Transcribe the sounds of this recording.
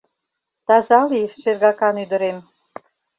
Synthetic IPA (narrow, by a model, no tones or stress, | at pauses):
t̪ɑzɑliʃerɣɑkɑnyd̪ə̆ɾem